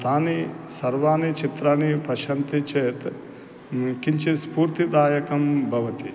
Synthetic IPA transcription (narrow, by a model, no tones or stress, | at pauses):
t̪ʰaːnisɐɾʋaːnit͡ʃit̪ɾaːnipɐʃɐnt̪it͡ʃeːt̪ | kiɲt͡ʃispuːɾt̪id̪aːjɐkɐmbʱɐʋɐt̪i